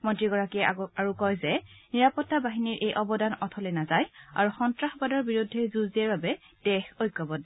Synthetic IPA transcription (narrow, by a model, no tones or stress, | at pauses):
mɔntɹiɡɔɹakiɛaɹukɔjzɛ | niɹapɔtːabaɦiniɹʔejʔɔbɔdanɔtʰɔlɛnazaja̰ɹuxɔntɹaxbadɔɹbiɹudʱːɛzuziɛɹbabɛ | d̥ɛxɔjkːɔbɔd